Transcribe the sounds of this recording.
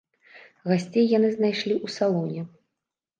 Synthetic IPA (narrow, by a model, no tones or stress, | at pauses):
ɣasʲt͡sʲejːanɨznajʂlʲiʔusalˠɔnʲɛ